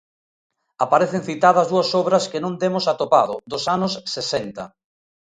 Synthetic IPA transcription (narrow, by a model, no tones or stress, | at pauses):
apaɾeθeŋθit̪aðɐzðuɐsɔβɾɐskenõnd̪emʊsat̪opaðʊðosanʊsːesent̪ɐ̰